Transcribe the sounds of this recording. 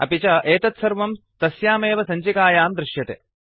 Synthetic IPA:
ɐ̰pit͡ʃɐʔeːt̪ɐt̪sɐɾʋɐmt̪ɐsjaːmeːʋɐsɐɲt͡ʃikaːjaːmd̪ɾɪʃjɐt̪ḛ

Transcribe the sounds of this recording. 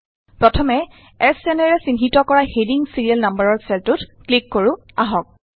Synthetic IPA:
pɹɔtʰɔmɛ | ɛsɛnɛɹɛsinɦitɔkɔɹahediŋsiɹijɛlnambəɹɔɹsɛltʊtklikːoɹʊ | aɦɔk̚

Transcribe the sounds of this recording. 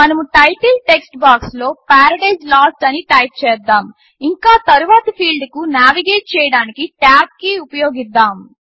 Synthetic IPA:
mɐnɐmuʈɐjʈɐlʈeksʈbaːkslo̞ːpaːɾɐɖɐjd͡ʒlaːsʈɐniʈaːjʈ̚t͡ʃɛːd̪ːaːm | iŋkaːt̪ɐɾuʋaːt̪ɐpʰiːlɖkunaːʋiɡeːʈ̚t͡ʃɛːjɐɽaːnikiʈaːp̚kːiupɐjo̞ːɡid̪ːaːm

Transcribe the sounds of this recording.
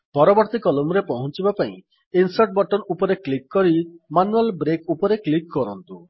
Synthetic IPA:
pɔɾɔbɔɾt̪ikɔlumɾepɔɦɔt͡ʃibapaḭ̃ | insaʈ̚bɔʈɔnupɔɾeklikːɔɾimanualbɾekupɔɾeklikːɔɾɔnt̪u

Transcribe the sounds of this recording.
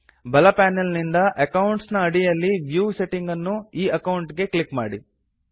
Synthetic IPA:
bɐlɐpæːnelnind̪ɐʔɐkɐwɳʈsnɐːɽijɐlːiʋjuːse̞ʈiŋɡɐnːuiːɐkɐwuɳʈɡe̞klikma̰ːɽḭ

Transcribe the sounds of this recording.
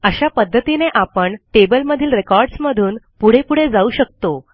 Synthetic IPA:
əɕapəd̪ʱːət̪ineʔapəɳʈebəlməd̪ʱiːlɾekɔɾɖsməd̪ʱuːn | puɽ̤epuɽ̤ed͡zauɕək̚t̪o

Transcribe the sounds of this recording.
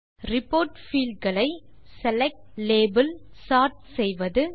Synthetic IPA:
ɾɪpːoːɾʈfiːlɖɡɐɭɐɪsɛlɛk̚ʈleːbɐlsaːɾʈ̚sɛjʋɐðɯ

